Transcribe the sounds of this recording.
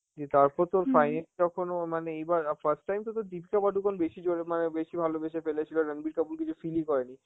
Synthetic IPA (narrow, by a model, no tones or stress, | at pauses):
d͡ʑit̪aɾpɔɾt̪oɾfajneld͡ʑɔkʰonomaneejbaɾfʰəɾsʈːajmt̪ot̪̬oɾd̪ipikabaɖukʰonbeʃid͡ʑoemanebeʃibʱalobeʃefelet͡ɕʰiloɾənbiɾkabulkit͡ɕʰufilikɔɾeni